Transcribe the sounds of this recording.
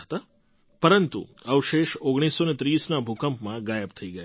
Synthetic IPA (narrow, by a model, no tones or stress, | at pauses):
t̪a | pəɾənt̪ṵəʋʃeʃoɡɽ̃isːonet̪ɾiːsnabʱukəmpmãɡajəbt̪ʰəiɡəja